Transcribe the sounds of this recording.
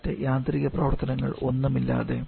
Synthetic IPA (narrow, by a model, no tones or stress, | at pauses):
tːejaːnd̪riɣɐprɐʋɐrt̪ɐnɐŋːɐɭo̞nːumilːa̰ːðe̞